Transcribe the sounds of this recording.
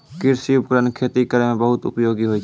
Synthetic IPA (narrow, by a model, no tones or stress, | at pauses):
kɪɾsiʊpkɾənkʰeːt̪ikəɾemẽbəɦʊt̪ʊ̰pjoːɡiɦoi